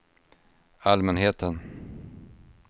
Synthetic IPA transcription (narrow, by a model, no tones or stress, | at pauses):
almɛnɦeːt̪ʰən